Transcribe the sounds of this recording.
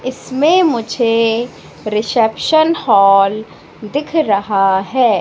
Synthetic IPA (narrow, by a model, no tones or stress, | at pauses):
ɪsmẽmʊd͡ʒʱe | ɾɪsɛpʃənhɔːl | d̪ɪkʰɾɐɦaɦɛː